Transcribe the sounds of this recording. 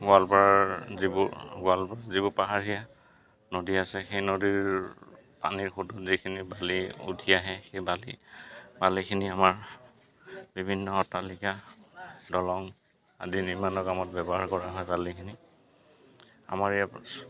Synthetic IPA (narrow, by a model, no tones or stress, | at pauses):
ɡwalpazibṵɡwalpazibʊpaɦaɹɦija | nodiasɛxejnodiɹ | pa̰niɹxudɔzikʰinibaliṵdʱijaɦɛxejbalḭbalikʰiniamaɹ | bibʱinːɔɔtalika | dɔlɔŋ | a̰dinimanɔkamɔt̚bɛbɔɦaɹkɔɹaɦɔjzalikʰini | a̰maɹija